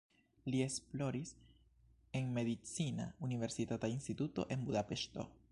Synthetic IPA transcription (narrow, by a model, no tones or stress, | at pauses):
lie̞splo̞ɾis | e̞nme̞ðit͡sina̰unive̞ɾsit̪atainst̪it̪ut̪o̞̰ʔe̞nbudape̞ʃt̪o̰